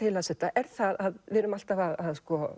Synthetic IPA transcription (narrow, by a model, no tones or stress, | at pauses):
ɪlasɛht̪aʔɛɾ̥θaðaðvɛːɾʏmal̥t̪avaðaðskɔ